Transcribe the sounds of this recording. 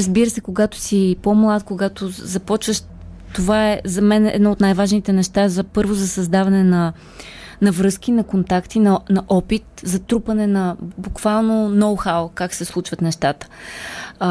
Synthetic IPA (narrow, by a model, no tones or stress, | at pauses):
ɾəzbiɾəsɛkoɡat̪o̥sipomlˠat̪koɡat̪ozɐpɔt͡ʃvəʃ | t̪ovaɛzɐmɛnɛ̰d̪nɔot̪najvaʒnit̪ɛnɛʃt̪aɛzɐpɤɾvozɐsɐzd̪avɐnɛnɐ | nɐvɾɤskinɐkont̪akt̪inɐnɐʔɔpit̪zɐt̪ɾupənɛnɐbukv̥alˠnonɔwxawkaksɛslˠut͡ʃvət̪nɛʃt̪at̪ə̥